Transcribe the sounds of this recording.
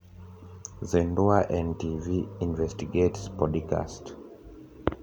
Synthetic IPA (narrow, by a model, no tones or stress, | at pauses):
zɛ̃ndoaʔɛ̃ntiviĩnvɛstiɡetspɔdka̰st